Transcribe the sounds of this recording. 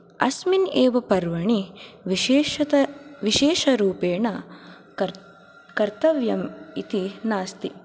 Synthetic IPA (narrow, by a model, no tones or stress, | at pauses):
ɐ̰smineːʋɐpɐɾʋɐɳiʋɐɐʋiʃeːʃɐɾuːpeːɳɐ | kɐɾt̪ɐʋjɐmit̪inaːst̪i